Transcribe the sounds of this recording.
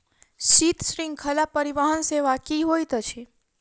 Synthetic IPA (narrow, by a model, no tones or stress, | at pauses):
ʃit̪ʃɾĩŋɡ̚kʰəlapːəɾiʋaɦənseʋakiɦojt̪ət͡ʃʰi